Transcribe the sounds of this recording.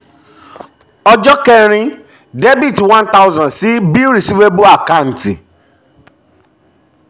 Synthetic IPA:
ɔ˧d͡ʒɔ˦kɛ˦ɾ̃ĩ˧ | de˦bi˦˨twã˦nta˦ʊ˦zã˨si˦bi˦ɾi˨si˦ve˦bo˦a˨ka˦˨n̩˨ti˨

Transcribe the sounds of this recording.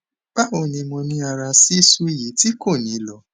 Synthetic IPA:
ɡ͡b̥a˦o˧˨nĩ˧mɔ̃˧nĩ˧a˧ɾa˧si˦su˦i˦˨ji˨˦ti˦ko˦˨nĩ˨˦lɔ˨˦

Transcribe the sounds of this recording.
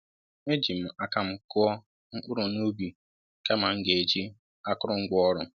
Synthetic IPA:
e˦d͡ʒi˨m̩˨a˦ka˨m̩˦kʊ˦ɔ˦ | ŋ̩˦k͡pʊ˦ɾʊ˨no˦bi˨ | ka˦ma˨ŋ̩˦ɡe˨e˨d͡ʒi˦ | a˦kʊ˦ɾʊ˦ŋ̩˦ɡɔ˦ɾʊ˨

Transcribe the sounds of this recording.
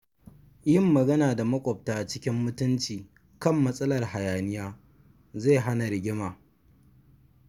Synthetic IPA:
jɪ˦˨mːɐ˨ɡɐ˦naː˨da˨mɐ˦kʷʼɔ˨p̚taː˨t͡ʃɪ˦kʲɪ˦mːʊ˦tʊ˦nt͡ʃiː˨ | kɐ˦˨mːɐ˦sʼɐ˦lɐ˨rha˨jaː˨nɪ˦jaː˦ | ze˦˨ɦa˦na˨ɾɪ˨ɡʲɪ˦maː˨

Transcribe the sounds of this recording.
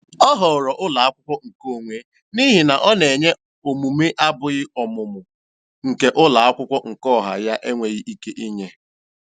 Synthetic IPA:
ɔ˦ɦɔ˨ɾɔ˨ʔʊ˦la˨a˦kʷʊ˦kʷɔ˦ŋ̩˨ko˦˨ŋʷe˦ | ni˦ɦi˨na˨ʔɔ˦ne˨ɲe˦ | o˨mu˨me˦ʔa˦bʊ˨ɣɪ˦ɔ˨mʊ˨mʊ˨ | ŋ̩˨ke˨ʔʊ˦la˨a˦kʷʊ˦kʷɔ˦ŋ̩˨kɔ˦˨ɦa̰˨ja˦ʔe˦ŋʷe˨ɣi˦ʔi˦ke˦ʔi˦ɲe˦

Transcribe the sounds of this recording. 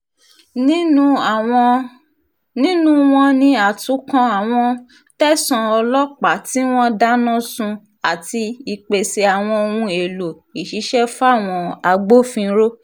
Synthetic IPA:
nĩ˦˨˧ | nĩ˦nũ˦w̃ɔ̃˧nĩ˧a˨tũ˨˦kã˧a˨w̃ɔ̃˧ | tɛ˦sã˧ɔ˧lɔ˦k͡pa˨ti˨˦w̃ɔ̃˦da˦nã˦sũ˧ | a˨ti˧i˧k͡pe˨se˧a˨w̃ɔ̃˧o˧wũ˧e˨lo˨ | i˨ʃi˨˦ʃɛ˦fa˦˨w̃ɔ̃˧a˧ɡ͡bo˦fĩ˧ɾo˦

